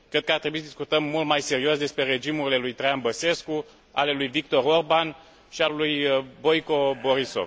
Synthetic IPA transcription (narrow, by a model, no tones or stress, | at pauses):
kɾe̞d̪̚kəart̪ɾe̞buisəd̪iskut̪əmːult̪majse̞ɾiosd̪e̞spɾe̞ɾe̞d͡ʒimuɾile̞lujt̪ɾeanbəse̞sku | a̰le̞lujvik̚t̪o̞ɾo̞rban | ʃialujbo̞jko̞bo̞ɾiso̞̰v